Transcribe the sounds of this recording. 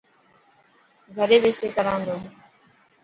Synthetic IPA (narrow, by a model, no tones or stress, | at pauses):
ɡʱəɾeːʋeːseːkəɾãːnd̪oː